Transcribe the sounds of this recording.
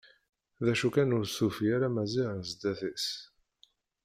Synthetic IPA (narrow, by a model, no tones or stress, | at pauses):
ðæʃukænʊɾsufijaɾamæziʁnzd̪æθis